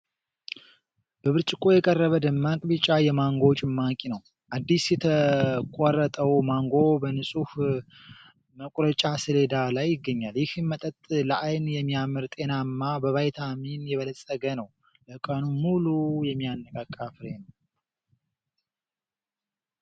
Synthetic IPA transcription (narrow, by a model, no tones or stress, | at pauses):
b̥əβɨɾt͡ʃʼɪkʼo̞jɛkʼərːəβəd̪ɨmːakʼbɨt͡ʃʼajɛmaŋɡo̞t͡ʃʼɪmːakʼinəw | ʔad̪ːisjɛt̪ʰəkʼɔrət̪ʼəwmaŋɡo̞bənɨsʼuh | məkʷʼɾət͡ʃʼasɨle̞d̪alajːɪɡːəɲːaljɪhɨnmət̪ʼət̪ʼləʔajnjɛmːijamːɨɾt̪ʼe̞namːabəβajt̪ʰaminjɛβələsʼəɡənəw | ləkʼənumulujɛmːijanːəkʼakʼːafɨɾen